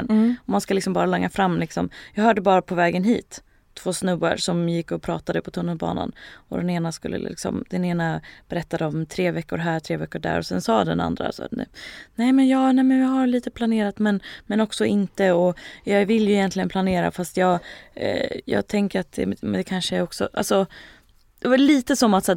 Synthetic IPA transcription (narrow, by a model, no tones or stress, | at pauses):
nɔmanskalɪksɔmbɑːɾalɛŋːafɾamːlɪksɔmjɑːɡɦœːɖəbɑːɾapʰɔvɛːɡənɦiːt̪ʰː | v̥oːsnɵba̰ɾʂɔmjɪkːɔpʰɾɑ̰ːt̪ad̪əpʰɔt̪ʰɵnːəlbɑ̰ːna̰nɔd̪ɛneːnaskɵ̰lːə̰lɪ̰ɪ̰ksɔ̰md̪̥ɛneːnab̥ɛɾɛt̪ːad̪əɔmt̪ʰɾeːvɛkːʊɾɦæːɾʈ̪ʰɾeːvɛkːʊɖæ̰ːɾɔsɛnsɑːd̪ɛna̰nd̪ɾa̰sɛnɛːmɛnjɑːnɛːmɛnjɑɦaɾɭiːt̪əpʰlaneːɾat̪mɛnmɛnɔksɔɪnt̪əɔjɑvɪljɵɪjɛnt̪lɪɡənpʰlaneːɾa̰fast̪jɑːɡ | jɑ̰ːɡt̪ʰɛŋkəɾat̪̚d̪ɛ̰ɛd̪ɛkʰanʂəjaɾɔksɔ̰ʔalsɔ | d̪̥ɛvaliːt̪əsɔmat̪sɛː